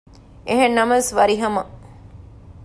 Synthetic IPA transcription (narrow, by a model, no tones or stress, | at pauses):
ʔeɦenːɐmɐsʋɐɾiɦɐmɐ